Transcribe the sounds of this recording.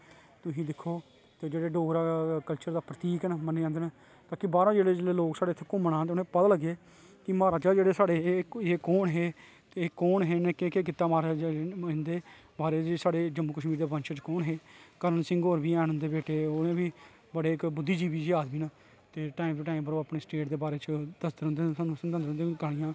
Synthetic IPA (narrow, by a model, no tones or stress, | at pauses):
t̪ʊɦĩːd̪ɪkʰːoː | t̪eːd͡ʒeːɽeːɖoːɾaːkəlt͡ʃəɾd̪aːpɾət̪iːknməneːãːd̪eːn | t̪aːkɪbaːɾãːd͡ʒeːɽeːd͡ʒeːeːloːksaːɽeːət̪ʰːeːkʊ̃mənãːeoːnẽːpət̪aːləɡeː | kɪmaːɾaːt͡ʃaːd͡ʒeːɽeːsaːɽeːeːkɔːɳɦeː | t̪eːkɔːɳɦeːnẽːkekeːk̬ɪt̪ːaːmaːɾaːd͡ʒaɪ̃nd̪eː | baːɾeːd͡ʒsaːɽeːd͡ʒəmːuːkəʃmiːɾd̪eːpənt͡ʃət͡ʃkɔːɳɦeːkəɾənsɪ̃ŋɡoːɾbiːɛːñɦʊnd̪eːbeːʈeːoːẽːbiː | bəɽeːɪkbʊd̪ːiːd͡ʒiːbiːd͡ʒɪjaːd̪biːnaː | t̪eːʈaːiːmʈaːiːmbəɾoːaːpɳeːsʈeːʈd̪eːbaːɾeːt͡ʃəd̪əsd̪əɾɦʊnd̪eːaːnũːsənd̪ə̃nd̪əɾʊ̃nd̪eːɡaːɽɪjãː